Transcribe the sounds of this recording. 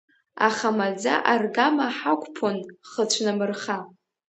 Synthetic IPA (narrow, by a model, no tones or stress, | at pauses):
aχamad͡za̰ʔarɡamaħakʷʰʼpʰonχət͡ɕʷʰnɨmɨrχa